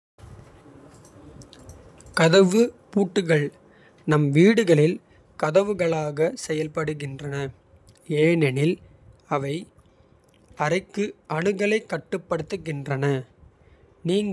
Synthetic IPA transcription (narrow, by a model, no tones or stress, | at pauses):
kɐðɐʋɯpuːʈːɯɣɐɭ | nɐmʋiːɽɯɣɐɭɪl | kɐðɐʋɯɣɐɭaːɣɐsɛjɐlpɐɽɯɣɪndrɐnɐ | eːnɛnɪl | ɐʋɐɪ | ɐɾɐkːɯʔɐɳɯɣɐɭɐɪkːɐʈːɯpːɐɽɯt̪ːɯɣɪndrɐnɐ | niːŋ